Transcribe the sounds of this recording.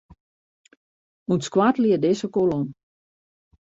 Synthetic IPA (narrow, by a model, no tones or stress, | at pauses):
unskwatliədɪsəkolon